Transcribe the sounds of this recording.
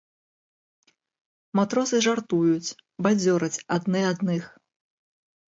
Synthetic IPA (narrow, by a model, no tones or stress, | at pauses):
mat̪ɾɔsɨʐart̪ujut͡sʲ | bad͡zʲɔɾɐt͡sʲad̪nɨad̪nɨx